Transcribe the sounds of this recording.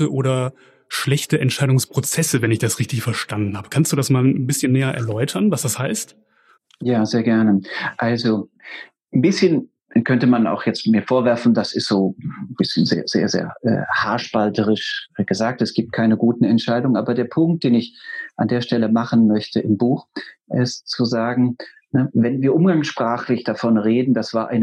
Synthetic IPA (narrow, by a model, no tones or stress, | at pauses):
əʔoːɾɐ | ʃlɛçtəʔɛntʃaɪdʊŋspʁ̥ot͡sɛsəvɛnɪçd̥asʁɪçtɪçfɛɐʃtandn̩haːbəkʰanstd̥uːdasmaːln̩bɪsçənːɛːɐʔɛɐlɔʏtʰɐnvasd̥ashaɪst | jaːzeːɐɡɛɐnəʔalzo | nbɪsçən | kʰœntəmana̰ʊxjɛt͡stmiːɐfoːɐvɛɐfn̩dasɪstz̥oːb̥ɪsçənzḛːɐzḛːɐzḛːɐʔɛ̰ːhaɐʃpaltʰəʁɪʃɡ̥əzaːk̚tɛsɡ̥iːp̚t̚kʰaɪnəɡuːtn̩ɛntʃaɪdʊŋənʔaːbɐdeːɐpʰʊŋk̚t̚d̥eːnɪçʔandeːɐʃtɛləmaχən̩mœçtəʔɪmbuːxʔɪstt͡suzaːɡŋ̩ | nəvɛnviːɐʔʊmɡaŋsʃpʁ̥aːχlɪçd̥afɔnʁeːdn̩d̥asv̥aːɐʔa̰ɪnə